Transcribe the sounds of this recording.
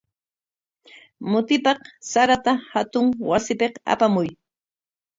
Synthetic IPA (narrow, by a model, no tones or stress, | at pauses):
mʊt̪ɪpɑqsaɾat̪ahat̪ʊŋwasɪpeqa̰pamʊj